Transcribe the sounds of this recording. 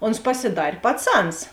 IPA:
oːns pɐsʲɪˈdɐrʲ pɐˈt͡sɐns

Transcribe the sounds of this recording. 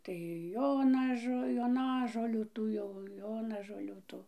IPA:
tɐɪ ˈjoːnɐʒoː joːˈnɑːʒoːlʲuː ˈtuː jɛʊ ˈjoːnɐʒoːlʲuː ˈtuː

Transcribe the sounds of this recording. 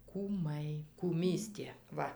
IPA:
kuːˈmɐɪ kuːˈmʲiːsʲtʲeː ˈʋɐ

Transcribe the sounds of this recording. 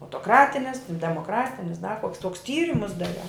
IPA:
ɐʊtoːˈkrɑːtʲɪnʲɪs dʲɛmoːˈkrɑːtʲɪnʲɪs dɐ koːks toːks ˈtʲiːrʲɪmʊs dɐˈrʲɛʊ

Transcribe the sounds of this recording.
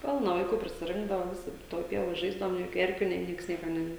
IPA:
ˈpʲɪlˠnɐ ʋɐɪˈkuː pʲrʲɪsʲɪˈrʲɪŋɡdɐʋɐ ˈʋʲɪsʲɪ ˈtoːj ˈpʲiɛʋoːj ˈʒɐɪzdɐʋoːm nʲeː ˈjoːkʲʊ ˈɛrʲkʲʊ nʲeː ˈnʲiɛks ˈnʲiɛkɐ nʲɛ

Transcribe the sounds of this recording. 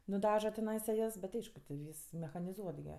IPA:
nʊˈdɑːʒɐ tʲɛˈnɐɪsɐ ˈjɛs bʲɛt ˈɐɪʃkʊ tʲɪ ˈʋʲiːs mʲɛxɐnʲɪˈzuɔt ɡʲɪ

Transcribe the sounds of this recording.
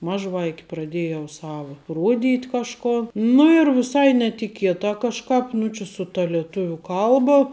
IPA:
ˈmɑːʒˌʋɐɪkʲɪ prɐˈdʲeːjɛʊ ˈsɑːʋoː ˈruɔˌdʲiːtʲ kɐʃˈkoː nʊ ɪr ʋʲɪˈsɐɪ nʲɛtʲɪˈkʲiɛtɑː kɐʃˈkɑːp ˈnʊ t͡ʃʲɪ sʊ tɐ lʲiɛˈtʊʋʲʊ ˈkɐlˠbɐ

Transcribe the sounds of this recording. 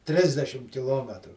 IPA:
ˈtʲrʲɪzʲdʲɛʃʲɪm kʲɪˈlˠoːmʲɛtrʊ

